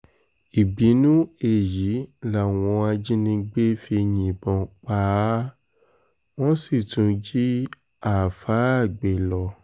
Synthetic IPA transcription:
i˨bi˨˦nũ˦e˨ji˨˦la˨w̃ɔ̃˧a˧d͡ʒĩ˦nĩ˧ɡ͡be˦fi˧ɲĩ˨bɔ̃˨˧k͡pa˨˧˦ | w̃ɔ̃˦si˦˨tũ˨˧d͡ʒi˦ | a˦˨fa˨˦a˦˨ɡ͡be˨lɔ˧

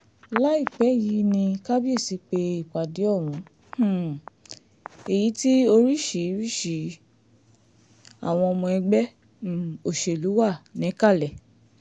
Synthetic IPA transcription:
la˦i˦˨k͡pɛ˨˦˨ji˨˧˦nĩ˧ka˦bi˦e˦˨si˨˧k͡pe˧i˦˨k͡pa˨di˨˦ɔ˦˨wũ˨˧˦ | h̩˦˨ | e˨ji˨˦ti˦o˧ɾi˦ʃi˨˦ɾi˦˨ʃi˨˦ | a̰˨w̃ɔ̃˧ɔ˧mɔ̃˧ɛ˧ɡ͡bɛ˦˨ | o˨ʃe˨lu˨˦wa˦˨nĩ˨˦ka˦˨lɛ˨

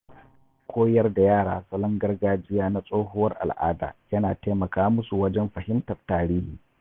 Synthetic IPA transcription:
kʷʰoː˦jɐ˦rda˨jaː˦˨ɽa̰ː˨sɐ˦lɐ˦ŋɡɐ˦rɡaː˦d͡ʒɪ˦jaː˦na˦sʼoː˦ɦʊ˦wɐ˦rʔa̰˨lʔa̰ː˦da̰ː˨jɐ˦naː˨teː˦mɐ˨kaː˦mʊ˦su˨wɐ˦d͡ʒɛ˦mɸɐ˨hɪ˦mtɐ˨rtːaː˨ɾiː˦hiː˨

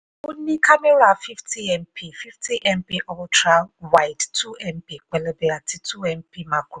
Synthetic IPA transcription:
u˦ni˦kʰa˦me˦ɾa˨fi˦ftʰi˦ɛ˦˨mpʰi˨fi˦ftʰi˦ʔɛ˦mpi˦ʔɔ˦tʰɾa˦lwa˦jdtʰu˦ɛ˦mpi˨k͡pɛ˨le˦be˦a˨tʰi˦tʰu˦ɛ˦mpi˦ma˨ɡu˨

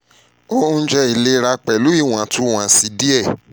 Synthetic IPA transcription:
o˦ũ˦˧˦d͡ʒɛ˧i˨le˦ɾa˧k͡pɛ˨lu˨˦i˦˨w̃ã˨tʰũ˧˦w̃ã˨si˧di˦ɛ˦˨

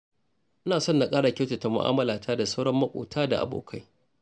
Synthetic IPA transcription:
ʔɪ˦naː˨sɔ˦nːa˨kʼaː˦ɽa˨kʲa˦wti˨ta˨mʊ̰˨ʔa̰ː˦mɐ˦laː˨tʰaː˦da˨sa˦wɽɐ˦mːɐ˦kʷʼo̰ː˨tʰaː˦da̰˨ʔa̰˨bo̰ː˨kʰa˦j

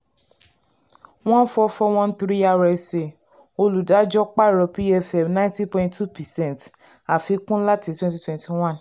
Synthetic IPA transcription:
w̃ɔ̃˦n̩˦fɔ˧fɔ˧w̃ɔ̃˦n˦t̪ɾi˦a˧ɾɛ˧se˨ | o˧lu˨da˨˦d͡ʒɔ˦k͡pa˦˨ɾɔ˧pi˦ɛ˧fɛ˨mnã˦ĩ˦ti˦pɔ̃˧ĩ˦tʰːu˦pɛ˨sɛ̃˦˨nt | a˨fi˨˧kũ˦la˦ti˨˧twɛ̃˦nti˧twɛ̃˨nti˨w̃ã˦˨n

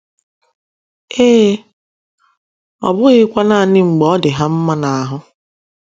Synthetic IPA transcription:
eː˦ | ɔ̰˨bʊ˦ɣɪ˦kʷa˦na˨nɪ˦ŋ͡m̩˨ɡ͡bɔ˦dɪ˨ɦa˦m̩˦ma˦na˨a˨ɦʊ˦

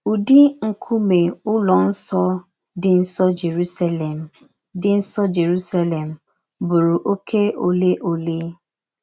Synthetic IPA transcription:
u˨di˦ŋ̩˨kʰʊ˦me˨ʊ˦lɔ˨n̩˦sɔ˦ | dɪ˨n̩˦sɔ˦d͡ʒe˨ɾu˦sa˦le˨m˨ | dɪ˨n̩˦sɔ˦d͡ʒe˨ɾu˦sa˦le˨m̩˨ | bʊ˨ɾu˨ʔo˦kʰe˦o˨le˦ʔo˨le˦

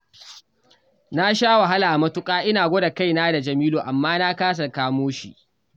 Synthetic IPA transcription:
na˦ʃaː˦wa˨ɦa˦laː˨ʔmɐ˦tʊ˦kʼaː˦ʔɪ˦naː˨ɡʷoː˦da˨ka˦˨jnaː˦da˨d͡ʒɐ˨miː˦loː˨ʔa˨mːaː˦naː˦kaː˦s̬ɐ˨rkaː˦moː˦ʃḭ˨ʔ

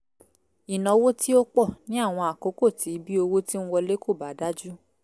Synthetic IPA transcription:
i˨nɔ̃˨wo˦tʰi˦o˦k͡pɔ˦˨nĩ˨˦a˦˨w̃ɔ̃˧a˨ko˨˦ko˦˨ti˨˦bi˦o˧wo˦ti˦ñ̩˦wɔ˧le˦ko˦˨ba˨˦da˦d͡ʒu˦

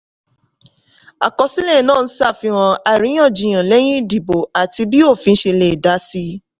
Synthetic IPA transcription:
a̰˨kɔ˧si˦lɛ̃˦˨nãː˦˨n̩˦sa˦˨fi˧w̃ɔ̃˧a˨ɾĩ˨˦j̃ã˦˨d͡ʒĩ˨j̃ã˨lɛ˦j̃ĩ˦˨di˨bo˨a˨ti˧bi˦o˦˨fĩ˧n̩˦ʃe˧le˨da˨˦si˧˦

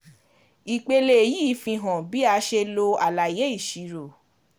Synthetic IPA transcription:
i˨k͡pe˧le˧e˨ji˦fĩ˧ɦɔ̃˨bi˨˦a˧ʃe˧lo˧a˨la˨je˦i˦˨ʃi˨˦ɾo˨

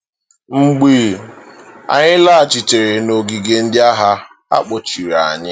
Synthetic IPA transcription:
ŋ͡m̩˨ɡ͡bi˦˨ | a̰˨ɲɪ˦la˦a˨t͡ʃi˨t͡ʃe˨ɾe˨no˨ɡi˨ɡe˦n̩˦dɪ˦a˦ɦa˦ | a̰˦k͡po˨t͡ʃi˨ɾa˨ɲɪ˦

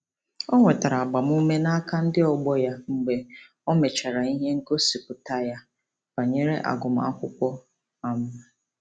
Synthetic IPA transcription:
ɔ˦ŋʷe˨ta˨ɾa˨a˨ɡ͡ba˨mu˦me˦na˦ka˦n̩˦dɪ˦ɔ˨ɡ͡bɔ˦ja˦ŋ͡m̩˨ɡ͡be˨ | ɔ˦me˨t͡ʃa˨ɾa˨i˦ɦe˦ŋ̩˦ko˦si˨pʊ˨ta˦ja˦ | ba˨ɲe˦ɾe˦ʔa̰˨ɡʊ˨m̩˨a˦kʷʊ˦kʷɔ˦ | a˨mʊ˦n˨

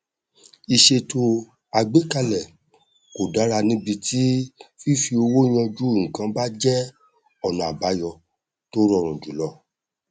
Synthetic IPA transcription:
i˧ʃe˧to˧˦ | a˧ɡ͡be˦ka˧lɛ˨ | ko˨da˨˦ɾa˧nĩ˦bi˧tʰi˦fi˦fi˧o˧wo˦j̃ã˧d͡ʒu˦˨ŋ̩̃˨kã˧˦ba˦d͡ʒɛ˦ | ɔ˦˨nã˨a˨ba˨˦jɔ˧ | to˦ɾɔ˦˨ɾ̃ũ˨d͡ʒu˨˦lɔ˧˦

